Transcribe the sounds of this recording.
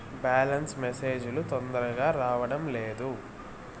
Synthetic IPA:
baːlɐnsmese̞ːd͡ʒulut̪ɔnd̪ɐɾɐɡaːɾaːʋɐɽɐmleːd̪u

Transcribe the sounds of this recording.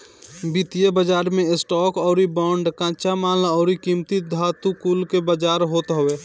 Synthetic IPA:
bit̪ijebəd͡ʒaːɾmẽɪsʈɔːkɔːɾibɔːɳɖkãːt͡ʃamaːlɔːɾikiːmt̪it̪̚d̪ʱaːt̪ukuːlkebəd͡ʒaːɾɦoːt̪ɦɔʋeː

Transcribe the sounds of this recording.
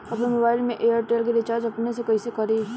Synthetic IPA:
ɐpnemobaːɪlmẽʔeːjəɾʈeːlk̬eɾɪt͡ʃaːɾd͡ʒɐpnesekoisekɐɾi

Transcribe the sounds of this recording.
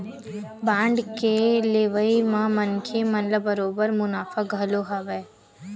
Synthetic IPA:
bãːɳɖkeleːʋəimãmənkʰemɐnləbəɾoːbəɾmʊnaːfaɡʱəloɦaʋeː

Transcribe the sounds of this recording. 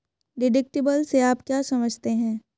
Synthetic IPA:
ɖɪɖɪk̚ʈɪbəlseaːpkjaːsɐməd͡ʒʱt̪eɦɛ̃ː

